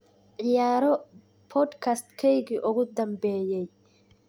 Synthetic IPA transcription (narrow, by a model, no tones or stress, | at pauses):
ʕɪjaːɾɔ | pʰɔd̪kʰast̪kʰɛjɣiʔʊɣʊd̪ɐmbɛːjɛj